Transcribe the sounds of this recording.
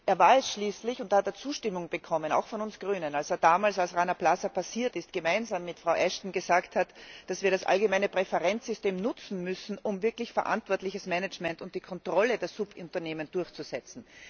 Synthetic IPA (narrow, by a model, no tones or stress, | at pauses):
ʔeːɐvaːɐɛsʃliːslɪçʊnthateːɐt͡suːʃtɪmʊŋb̥əkʰɔməna̰ʊxfɔnʊnsɡ̥ʁyːnənalseːɐdaːmaːlsalsʁaɪnɐplasɐpʰasiːɐtɪstɡ̥əmaɪnzaːmːɪtfʁ̥aʊʔɛʃtn̩ɡəzaːkthatd̥asviːɐɾasʔa̰lɡəmæɪnəpʁ̥ɛfɛʁɛnt͡sz̥ʏsteːmnʊt͡sn̩mʏsn̩ʔʊmvɪɐklɪçfɛɐʔa̰ntv̥ɔɐtlɪçəsmɛnət͡ʃmɛntʊnt̚d̥iːkʰɔntʁ̥ɔlədeːɐz̥ʊpʊntɐneːmənd̥ʊɐçt͡suz̥ɛt͡sn̩